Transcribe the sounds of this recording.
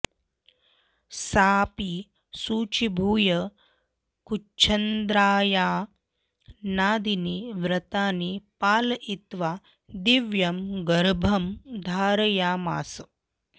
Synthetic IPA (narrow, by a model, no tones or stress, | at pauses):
saːpi | suːt͡ʃibʱuːjɐ | kut͡ʃʰɐnd̪ɾaːjaː | naːd̪iniʋɾɐt̪aːnipaːlɐʔit̪ʋaː | d̪iʋjɐmɡɐɾbʱɐmd̪ʱaːɾɐjaːma̰ːsɐ